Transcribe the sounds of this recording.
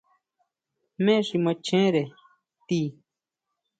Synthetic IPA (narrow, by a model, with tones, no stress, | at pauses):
mẽ˦ʂi˧mə̃˧t͡ʃẽ˦ɾe˨ | t̪i˧˦˨